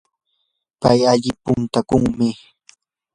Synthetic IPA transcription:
pajaʎɪpʊnt̪akʊŋmɪ

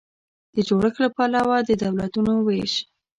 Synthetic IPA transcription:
d̪̥əd͡ʒoɽəxlapalawad̪əd̪awlat̪unoweʃ

